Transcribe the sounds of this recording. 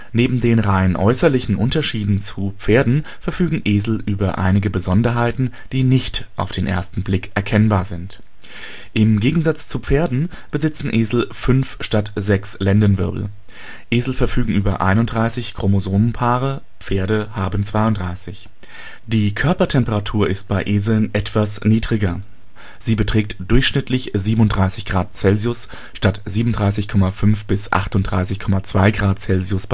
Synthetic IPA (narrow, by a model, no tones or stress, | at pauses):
neːbm̩deːnʁaɪnʔɔ̰ʏsɐlɪçn̩ʔʊntɐʃiːdn̩t͡sup͡feːɐdn̩fɛɐfyːɡŋ̩ʔeːzl̩ʔyːbɐʔa̰ɪnɪɡəbəzɔndɐɦaɪtn̩ | d̥iːnɪçtʔa̰ʊfd̥eːnʔḛːɐstn̩blɪkʔɛɐkʰɛnbaːɐzɪnt | ʔɪmɡeːɡŋ̩zat͡st͡sup͡feːɐdn̩ | b̥əzɪt͡sn̩ʔeːzl̩fʏnfʃtatz̥ɛkslɛndənvɪɐbl̩ | ʔeːzl̩fɛɐfyːɡŋ̩ʔyːbɐʔa̰ɪnʊntd̥ʁaɪsɪçkʁ̥omozoːnənpʰaːʁə | pp͡feːɐɾəhaːbən̩t͡sv̥aɪʊndʁaɪsɪç | d̥iːkʰœɐpɐtʰɛmpəʁatʰuːɐʔɪst̚b̥aɪʔeːzl̩nʔɛtv̥asniːdʁɪɡɐ | z̥iːbətʁ̥ɛːk̚td̥ʊɐçʃnɪtʰlɪçziːbənʊntd̥ʁaɪsɪçɡ̥ʁaːt̚t͡sɛlziʊs | ʃtatz̥iːbmn̩ʊndʁaɪsɪçkʰɔmafʏnfb̥ɪsʔa̰χtʊntd̥ʁa̰ɪsɪçkʰɔmat͡sv̥aɪɡʁaːt̚t͡sɛlziʊsb